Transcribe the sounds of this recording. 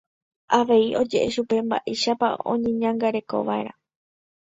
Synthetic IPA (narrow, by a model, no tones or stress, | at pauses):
aʋe̞io̞d͡ʒe̞ʔeʃupe̞mba̰ʔeʃapa̰õ̞̰ɲẽ̞ɲãŋɡaɾe̞ko̞̰ʋae̞̰ɾa